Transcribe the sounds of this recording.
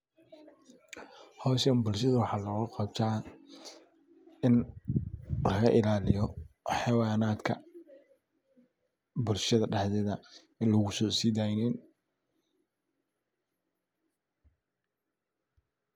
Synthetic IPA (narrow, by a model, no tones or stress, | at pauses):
hɔːʃɐmbʊlʃɐðɐwɑħɑːlɔɣʊqɑb̚t̪ʰaː | ɪn | lɐɣɐʔɪlaːlɪjɔħɑwɑːnaːd̪kʰɐ̰ | bʊlʃɐðɐɖɑħðɛðɐ | ɪnlɔɣʊsɔːsiːd̪aːjnɪn